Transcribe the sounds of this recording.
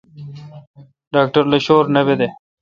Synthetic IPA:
ɖaːk̚ʈɐɾleɕoːɾnɐbed̪e

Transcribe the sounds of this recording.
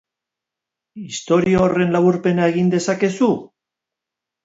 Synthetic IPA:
ist̪o̞ɾioore̞nlaβuɾpe̞naeɣ̞ind̪e̞sake̞su

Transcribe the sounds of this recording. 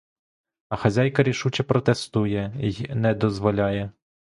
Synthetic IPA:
ɐxɐzʲajkɐɾʲiʃut͡ʃɛpɾɔt̪est̪ujɛnɛd̪ɔzʋɔlʲɑjɛ

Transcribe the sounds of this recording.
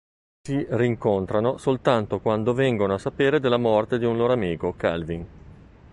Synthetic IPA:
siriŋkont̪ɾanosolt̪ant̪okwand̪ovɛŋɡonoasapeːɾed̪elːamɔrt̪ed̪iunloːɾoamiːkoka̰lvin

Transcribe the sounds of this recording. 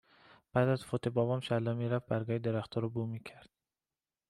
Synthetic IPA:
b̥æːd̪æzfot̪ʰebɒːvɒːmʃælːɒmiːɾævbæɾɡɒːhed̪eɾæxt̪ʰɒːɾɔbuːmiːcʰæɾd̪̥̚

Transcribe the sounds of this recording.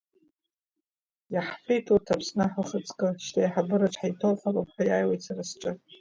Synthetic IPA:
jaħfejtʰutʰapʰsnɨħəχət͡sʼkʼɨʃtʰajħabɨɾaʈ͡ʂʷʰħajtʰowχalapħʷajaːjwejtsarasʈ͡ʂʷʼɨ

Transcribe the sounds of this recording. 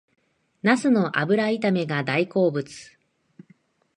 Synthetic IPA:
nasɨno̞ʔa̰bɯ̟ɾait̪ame̞ɡad̪aiko̞ːbɯ̟t͡sɨ̥

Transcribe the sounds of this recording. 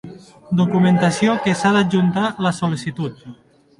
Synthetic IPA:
d̪ukument̪asiokesaðaʒunt̪alasulisit̪ut̪̚

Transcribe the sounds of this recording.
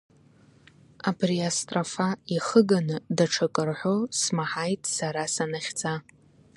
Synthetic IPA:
abʰriastʼrafaiχəɡanɨdaʈ͡ʂʰakʼɨrħʷosmaħajtʼsaɾasanaχʲd͡za

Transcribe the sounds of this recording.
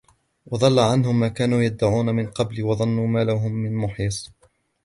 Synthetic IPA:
wɑd̪ˤɑlːaʕanɦʊmːaːkaːnuːjad̪ːaʕuːnamɪnqɑblwɑðˤɑnːuːmaːlaɦʊmːɪnmʊħisˤ

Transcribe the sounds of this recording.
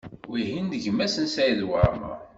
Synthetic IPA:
wiɦind̪əʝmæsənsæjðwəɾˤmə̰ʁ

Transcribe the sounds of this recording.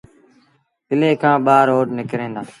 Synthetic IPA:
pɪleːkʰãːɓaːɾoːʈnɪkɾẽːnd̪aː

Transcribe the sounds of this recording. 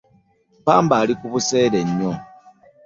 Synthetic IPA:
paːmbaːlikuβuse̞ːɾeɲːo

